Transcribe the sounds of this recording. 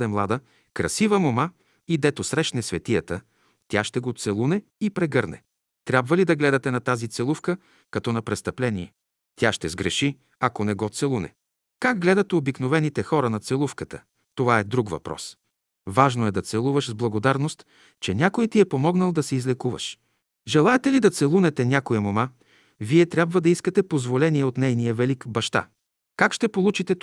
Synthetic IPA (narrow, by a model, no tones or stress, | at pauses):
ɛmlˠad̪ə | kɾɐsivəmoma | id̪ɛt̪osɾɛʃnɛsvɛt̪ijət̪ə | t̪ʲjaʃt̪ɛɡot̪sɛlˠunɛipɾɛɡɤɾnɛ̰ | t̪ɾʲabvəlid̪ɐɡlɛd̪ɐt̪ɛnɐt̪azit̪sɛlˠufkə | kɐt̪ɔnɐpɾɛst̪ɐplɛniɛ | t̪ʲjaʃt̪ɛzɡɾɛʃi | ɐkonɛɡɔt̪sɛlˠunɛ̰ | kaɡ̚ɡlɛd̪ɐt̪obiknovɛnit̪ɛxɔɾənɐt̪sɛlˠufkət̪ə | t̪ovaɛd̪ɾukvɐ̰pɾɔ̰s | vaʒnoɛd̪ɐt̪sɛlˠuvəʃzblˠɐɡod̪aɾnost̪ | t͡ʃɛnʲjakojt̪iɛpomɔɡnəlˠd̪ɐsɛizlɛkuvɐ̰ʃ | ʒɛlˠaɛt̪ɛlid̪ɐt̪sɛlˠunɛt̪ɛnʲakoɛmoma | viɛt̪ɾʲabvəd̪ɐiskət̪ɛpozvolɛniɛot̪nɛjnijəvɛlikbɐʃt̪a̰ | kakʃt̪ɛpolˠut͡ʃit̪ɛt̪